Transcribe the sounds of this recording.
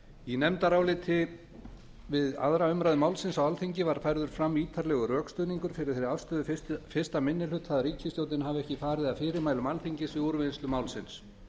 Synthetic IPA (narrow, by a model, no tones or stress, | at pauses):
inɛmt̪aɾaːwlɪːt̪ʰɪ | vɪða̰ðɾaʏmɾajðʏmaːwlsɪnsawalθiɲcɪvaɾ̥fajɾðʏɾ̥fɾamːiːt̪ʰaɾlɛɣʏrœːkst̪ʏːniŋkʏɾ̥fɪɾɪɾ̥θeɾɾafst̪œːðʏfɪst̪amɪnːɪlʏt̪θaðɾiːcɪst̪jowt̪nɪnhavɪɛhcɪfaːɾɪðaðfɪːɾɪɾmajlʏmalθiɲcɪsvɪuɾvɪslʏmaːwlsɪns